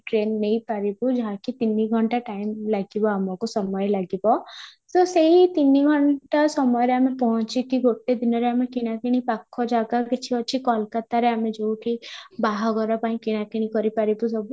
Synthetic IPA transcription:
ʈɾenːejpaɾibud͡ʒaɦakit̪iniɡʱɔɳʈaʈajmlaɡibɔamɔkusɔmɔjɔlaɡibɔsoseɦit̪iniɡʱɔɳʈasɔmɔjɔɾeamepɔɦɔ̃t͡ʃʰikiɡoʈed̪inɔɾeamekinakiɽ̃ipakʰːɔd͡ʒaɡaket͡ʃʰiɔt͡ʃʰikɔlkat̪aɾeamed͡ʒowʈʰibaɦɔɡɔɾapãĩkiɽ̃akiɽ̃ikɔɾipaɾibusɔbu

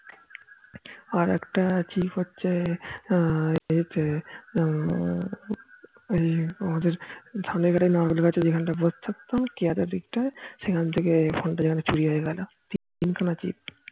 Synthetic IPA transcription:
aɾɛ̰kʈat͡ɕipʰɦotːʃʰe | t̪e | ejamad̪eɾd̪ʱʰanekʰaɾainɔɾɡlkat͡ɕed͡ʑekʰanʈabost̪ʰakt̪okiad̪aɾd̪ikʈaʃekʰant̪ʰekepʰonʈad͡ʑekʰanet͡ɕuɽiɦoeɡɛlo | t̪it̪inkʰanat͡ɕḭp̚

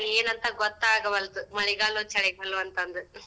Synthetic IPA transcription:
lieːnɐnt̪ɐɡɔt̪ːaːɡɐʋɐlt̪ɯmɐɭiɡaːlut͡ʃɐɽɐɪɡaːluɐnt̪ɐnd̪ɯ

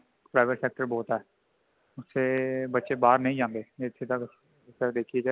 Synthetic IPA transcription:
pɾaːɪʋəʈsɛːk̚ʈəɾbɔːt̪ɛː | ʊsːebətːʃebaːɾnəɦĩd͡ʒãːnd̪eːɪt̪ʰːet̪ək | səd̪eːkʰied͡ʒaː

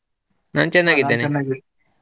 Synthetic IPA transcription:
na̰ːnt͡ʃɛnd̪aːɡid̪ːeːne

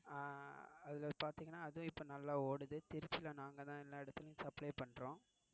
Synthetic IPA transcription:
ɐðɪlɐpaːɾt̪iːŋɡɐnːaːɐðʊ̃ɪpːoːnɐlːaːoːɽɯðɯt̪ɪɾɪt͡ʃːɪlɐnaːŋɡɐt̪ãːɛlːaːɪɽɐt̪ːɯlɯɡsɐplɐɪpɐɳːɾõː

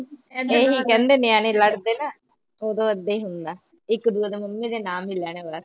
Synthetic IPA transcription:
eːɦikɐnd̪enjaːnelɐɽd̪ena | oːd̪oɐd̪ːeɦund̪a | ikːd̪uɐd̪emɐmːed̪enaːmilaːneʋaːs

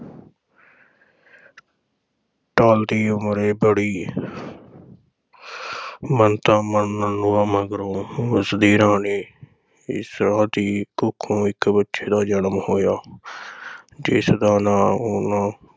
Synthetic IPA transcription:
ʈaːld̪iːʊmɾeːbəɽiː | mənt̪ãːmənːənːʊːãːməɡɾõːəsd̪iːɾãːneː | ɪ̰sɾaːd̪iːkʊkʰːõːɪkbətːʃeːd̪aːd͡ʒənəmhoːjaː | d͡ʒɪːsd̪aːnãːoːnãː

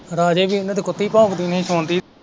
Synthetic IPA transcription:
ɾaːd͡ʒeːbiːnːt̪ekʊt̪ːiːpãːkd̪iːnĩːsʰoːnd̪iː

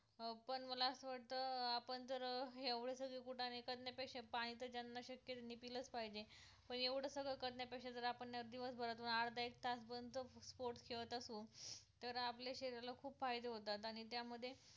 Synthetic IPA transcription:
pəɳməlasʋaʈ̚t̪əapəɳd͡zəɾeʋɽ̤esəɡɭekuʈʰanekəd̪nepekɕepaɽ̃it̪əd͡ʑanːaɕəkjət̪nipilət͡spaɦid͡ʑe | pəɳeʋɽ̤əsəɡɭekəd̪njepekʂed͡z̪əɾapəɳːaəɾd̪iʋəsbʱəɾat̪unaɽd̪aek̚t̪ʰasbənd̪t͡səspoɾʈskʰeʋət̪əsuːt̪əɾapljaɕeɾiɾalakʰuːpfajd̪eɦot̪at̪aɽ̃it̪jaməd̪ʱːje

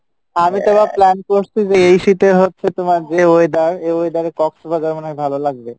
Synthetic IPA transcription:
amit̪obaplɛnkoɾsʰid͡ʑeejʃit̪eɦotːɕʰet̪omaɾd͡ʑeojd̪aɾeojd̪aɾekɔksbad͡ʑɔɾmonakebʱalolaɡ̚be

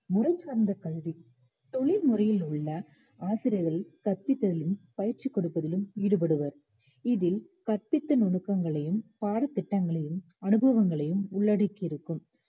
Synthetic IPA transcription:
mʊrɐt͡ʃːaːɾnd̪ɐkɐlʋi | t̪ɔɭɪlmʊrɐjɪlʊɭːɐ | aːsɪɾɪjɐɣɐlkɐrpɪt̪ːɐðɪlɯmpɐjɪɾt͡ʃikːɔɽɯpːɐðɪlɯmʋiːɽɯp̬ɐɽɯʋɐɾ | ɪðɪl | kɐrpɪt̪ːɐnɔɳɯkːɐŋɡɐɭɐjɯmpaːɽɐt̪ːɪʈːɐŋɡɐɭɐjɯm | ɐnɯbɐʋɐŋɡɐɭɐjɯmʊɭːɐɽɐkːɪɾɯkːɯm

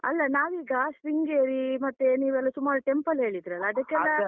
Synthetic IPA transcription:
ɐlːɐnaːʋiːɡɐsɾiŋɡeːɾimɐt̪ːeniːʋɛlːɐt̪umːɐlʈempɐlɦe̞ːɭid̪iɾɐlːɐːd̪ɐkːɛlːɐ

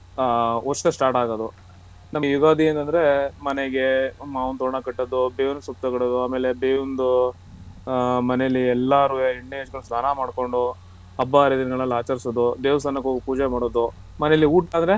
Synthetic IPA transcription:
ot͡ʃːt̪esʈaːɾʈaːɡod̪u | nɐmjuɡaːd̪ient̪ɐnd̪ɐɾemɐneɡemaːʋɐnt̪oːɳɐkɐʈːɐd̪ubeːʋund̪sup̚t̪ɐkɐɽɐd̪uaːmeːlebeːʋund̪u | mɐnɛjɐlːiɛlːaɾujiɳɖeːd͡ʒɡɐlusnaːnamaːɽko̞ɳɖu | ɐbːaɾed̪inɐɡɐɭɐlːaːt͡ʃɐɾsod̪ud̪eːʋɐst̪ɐnːɐkɦoːɡipuːd͡ʒemaːɽoːd̪u | mɐnɛjɐlːiuːʈand̪ɐɾe̞

